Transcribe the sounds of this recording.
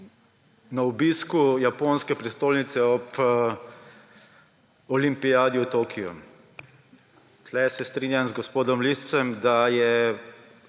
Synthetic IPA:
naɔbiskujaponskɛpɾist̪oːlnit̪sɛɔp | ɔlimpijaːd̪iut̪okʰijɔ̰ | t̪lɛsɛst̪ɾinjanzɡɔspoːd̪ɔmlist̪sɛmd̪ajɛ

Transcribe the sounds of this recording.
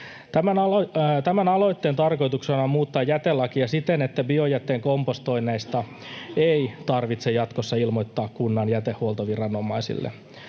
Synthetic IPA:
t̪æmænɑt̪æmænɑlo̞jt̪ːent̪ɑrko̞jt̪uksenɑmuːt̪ːɑːjæt̪elːɑkiɑsit̪enet̪ːæbiojæt̪ːeːŋkompost̪o̞inːæist̪ɑ | eit̪ɑrʋit̪sejɑt̪kosːɑilmojt̪ːɑːkkunːɑnjæt̪ehuolt̪oʋirɑnomˑɑisḭlːḛ

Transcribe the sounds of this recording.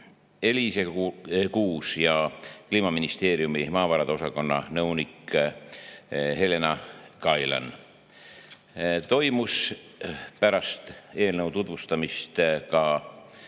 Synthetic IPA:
e̞lisekuːsjɑkliːmɑminist̪e̞ːɾijumimɑːvɑɾɑd̪eo̞sɑko̞nːɑ̰nɤwnikː | he̞le̞nɑkɑjlɑ̰n | t̪o̞jmus | pæɾɑst̪e̞ːlnəwt̪ut̪vust̪ɑmist̪kɑ

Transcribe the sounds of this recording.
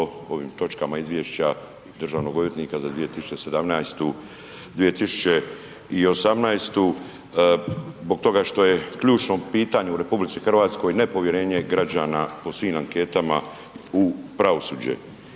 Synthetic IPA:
o̞ʋḭːmt̪o̞t͡ʃkamaizʋjeːʃt͡ɕa | d̪r̩ʒaːʋno̞ɡoʋjet̪niːkazad̪ʋije̞t̪isu̥t͡ʃese̞d̪amnajst̪u | d̪ʋije̞t̪isu̥t͡ɕe | io̞samnajst̪u | zbo̞ɡ̚t̪o̞ɡaʃt̪o̞je̞kʎuːt͡ʃno̞piːt̪aɲeuɾe̞publitsixr̩ʋaːt̪sko̞jne̞po̞ʋje̞ɾe̞ːɲe̞ɡɾad͡ʑaːnapo̞sʋiːmaŋke̞ːt̪ama̰ | upɾaʋo̞suːd͡ʑḛ

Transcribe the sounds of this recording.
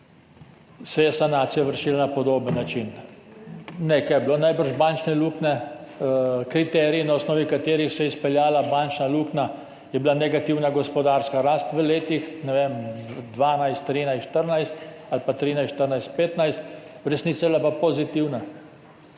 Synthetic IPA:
sɛjɛsanaːt̪sijaʋəɾʃiːlanapɔd̪oːbənːat͡ʃin | nekajɛblonajbəɾʒbant͡ʃnɛluːknɛ | kɾit̪ɛːɾiinaɔsnɔːʋikat̪eːɾixsɛjɛispɛljaːlabant͡ʃnalukna | jɛbilanɛɡat̪iwnaɡɔspɔd̪aɾskaɾaːst̪ʋəleːt̪ixnɛʋemd̪ʋaːnajst̪ːɾiːnajsʃt̪əɾnajst̪alpat̪ɾiːnajsʃt̪əɾnajst̪̚peːt̪najst̪ɾɛsniːt̪sablapapɔzit̪iwna

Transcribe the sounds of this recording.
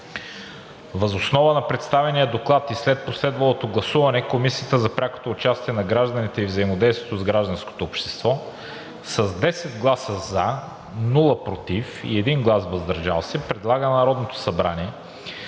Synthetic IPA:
vɐzosnɔvənɐpɾɛt̪st̪avɛnijəd̪oklˠat̪islɛt̪̚poslɛd̪vɐlˠot̪oɡlˠɐsuvɐnɛkomisijət̪əzɐpɾʲako̥t̪oːt͡ʃast̪iɛnɐɡɾaʒd̪ənit̪ɛivzɐimod̪ɛjst̪vʲiɛt̪ozɡɾaʒd̪ɐnsko̥t̪oːpʃt̪ɛ̥st̪vɔ | sɐzd̪ɛsɛd̪ɡlˠasəzɐ | nulˠəpɾot̪ifḭɛd̪inɡlˠasvɐzd̪ɐɾʒa̰lˠsɛpɾɛd̪lˠaɡənɐɾɔd̪not̪o̥sɐbɾaniɛ

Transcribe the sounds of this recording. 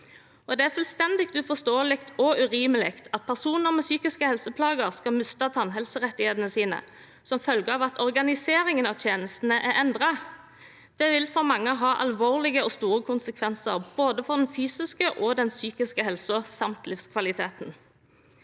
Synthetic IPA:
ɔd̪ɛæʁfʉlst̪ɛnd̪ɪkt̪ʉfɔʁst̪oːəlɪkt̪ʰɔʉʁiːməlɪkt̪ʰɑt̪̚pʰæʁsuːnəʁmɛsyːkɪskəhɛlsəpʰlɑːɡəʁskɑmʉst̪ɑt̪ʰɑnɦɛlsəʁɛt̪ːɪheːd̪ənəsiːnə̰ | sɔmfœlɡəɑːʋɑt̪ʰɔʁɡɑnɪseːʁɪŋənɑʋt̪ʰjeːnəst̪n̩əʔæɾɛnd̪ʁɑ | d̪̥ɛʋɪlfɔʁmɑŋːəɦɑːʔɑ̰lʋoːʁlɪɡəɔst̪uːʁəkʰʊnsəkʰʋɛnsə̰ʁboːd̪əfɔʁd̪ɛnfyːsɪskəʔɔd̪ɛnsyːkɪskəɦɛlsʊsɑmt̪lɪfskʰʋɑlɪt̪ʰeːt̪n

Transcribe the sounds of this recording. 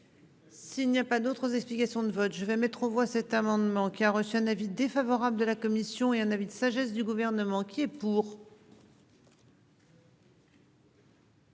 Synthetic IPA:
silnijapad̪ot̪χəzɛksplikasjɔ̃d̪əvɔt̪ʒəvɛmɛt̪χɑ̃vwasɛt̪amɑ̃d̪mɑ̃kʲiaʁəsyɛ̃navid̪efavɔʁabld̪əlakɔmisjɔ̃eɛ̃navid̪əsaʒɛsd̪yɡuvɛʁnəmɑ̃kʲiɛpuːʁ

